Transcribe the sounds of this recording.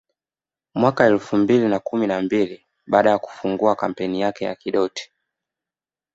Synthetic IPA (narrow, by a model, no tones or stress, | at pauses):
mwakaɛlfumbilinakuminambili | ɓaːɗajaku̥fuŋɡuakam̩pɛnijakɛja̰kiɗɔti̥